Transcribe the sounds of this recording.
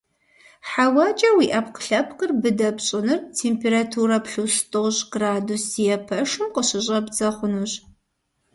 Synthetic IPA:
ħawɑt͡ʃʼɐwiːʔɐpqə̥ɬɐp̚ʰqərbɨdɐpɕʼɪnɨrtʰeːmpʰeːɾatʰuːɾɐpɬustʰʼoʁɕɡ̥raːdusijɛpʰɐʂɨmqəɕɪɕ̬ʼɐbzɐχʷʊnuɕ

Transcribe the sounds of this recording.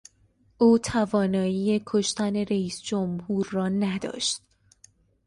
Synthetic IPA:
ʔuːt̪ʰævɒːnɒːjiːje̞kʰoʃt̪æne̞ɾeiːsd͡ʒomhuːɾːɒːnæd̪ɒ̰ːʃt̪̚

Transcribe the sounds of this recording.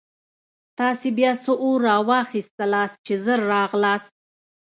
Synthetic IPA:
t̪ɑsebjɑsəʔoɾɑwɑxist̪əlɑst͡ʃezəɾːɑɣlɑs̚

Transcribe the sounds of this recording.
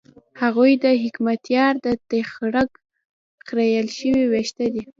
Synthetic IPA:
haɣujd̪əɦɪkmat̪jɑɾd̪ət̪exɽəɡ | xɾajəlʃəwiweʃt̪ad̪i

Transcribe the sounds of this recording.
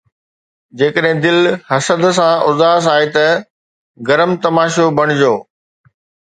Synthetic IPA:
d͡ʑeːkəɗɦɪ̃d̪ɪlhɐsəd̪s̬ãʊzaːs̬aːɦet̪ɐ | ɡɐɾəmt̪ɐmaːʃobʱɐɽ̃ɪd͡ʑoː

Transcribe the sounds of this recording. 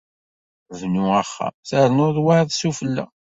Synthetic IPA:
vnuæχːa̰θəɾnoðˤwaðˤsufəlːæ̰

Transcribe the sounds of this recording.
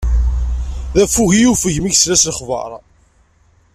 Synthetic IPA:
ðæfːuʝijufəʝmiʝslæslχvɑ̰ɾˤ

